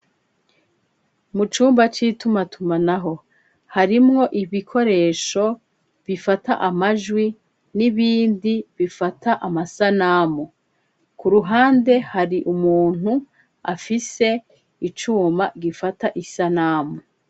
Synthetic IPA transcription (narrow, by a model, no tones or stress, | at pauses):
mut͡ʃuːmbat͡ʃiːtumatumanaɦo̞ | haɾimŋo̞ʔiβikʰo̞ɾe̞ːʃo̞ | βifataʔamaʒwi | niβiːndiβifatʰaʔamasanaːmu | kuɾuɦaːnde̞haɾiʔumuːn̥hu | afise̞ | it͡ʃuːmaɡifataʔisanaːmu